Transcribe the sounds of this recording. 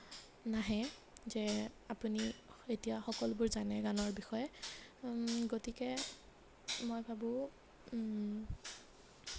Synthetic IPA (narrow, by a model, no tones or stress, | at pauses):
naɦɛ̃ | zɛapunietijaxɔkɔlbʊɹzanɛɡanɔɹbixɔjɛ | ɡotikɛ | mojbʱabʊ̃